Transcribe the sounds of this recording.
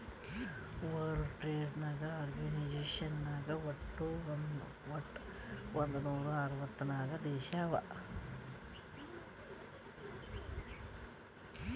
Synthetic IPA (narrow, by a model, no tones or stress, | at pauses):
ʋɐːɾʈɾeːɖnaːɡɐaːɾɡɐnid͡ʒeːʃɐnːaːɡɐʋɐʈːun | ʋɐʈː | ond̪unuːɾuɐɾɐʋɐt̪ːɐnaːɡɐd̪eːʃaːʋɐ̰